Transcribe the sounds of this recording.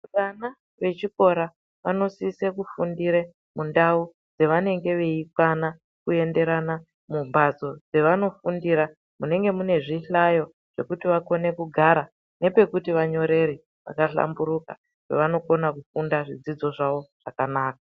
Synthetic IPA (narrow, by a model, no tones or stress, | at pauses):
uɗana | ʋe̞t͡ʃiko̞ɾa | ʋano̞sisekufundiɾe | mundau | d͡ze̞ʋane̞ŋɡe̞ʋe̞ikwana | kue̞nde̞ɾana | mubʱazo̞d͡ze̞ʋano̞fundiɾa | mune̞ŋɡe̞mune̞ʐiɬajo̞ | ʐ̥e̞̰kutiʋako̞ne̞kuɡʱaɾa | ne̞pe̞kutiʋaɲo̞ɾe̞ɾi | ʋa̰kaɬa̰mbuɾuka̰ | kḛʋano̞ko̞nakufundaʐid͡zid͡zo̞ʐaʋo̞ʐ̥akanaːk̚ḁ